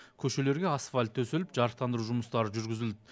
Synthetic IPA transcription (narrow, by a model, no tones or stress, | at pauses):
kʲʰɵʃe̞le̞ɾɡʲe̞ɑsfalʲt̪ʰːɵse̞lɪpʒ̥ɑɾəq̚t̪ɑnd̪əɾuʒʊməst̪ɑɾəʒʏɾɡʲɪzɪld̪ɪ